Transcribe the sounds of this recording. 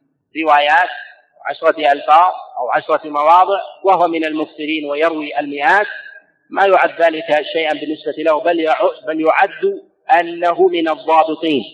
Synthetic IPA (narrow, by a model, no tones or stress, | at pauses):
ɾɪwaːjaːt̪ | awʕa̰ʃɾˤɑʔalfɑːðˤʔa̰wʕaʃɾˤɑmɑwɑːðˤɨʕwahʊwamɪnalmʊkθɪɾiːnwajɑɾˤwiʔalmɪʔaːt̪̚ | majʊʕad̪ðaːlɪkaʃajʔanbɪnːɪsbat̪ilahbalʊbaljʊʕad̪ː | ʔanːaɦʊmɪnɑðˤːɑːbɨt̪ˤiːn